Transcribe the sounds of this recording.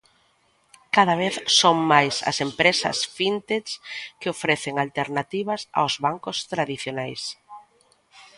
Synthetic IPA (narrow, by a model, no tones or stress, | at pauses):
kaðaβ̞eθsoŋmajsɐ̰sempɾesɐ̰sfint̪eskɪofɾɛθɪŋalt̪eɾnat̪iβɐsa̰wzβaŋkʊst̪ɾaðiθjonajs